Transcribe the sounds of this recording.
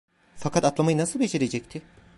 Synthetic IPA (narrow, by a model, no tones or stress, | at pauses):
fakʰat̪at̪lˠamajɯnasɯlˠbe̞d͡ʒeɾed͡ʒɛct̪ʰɪ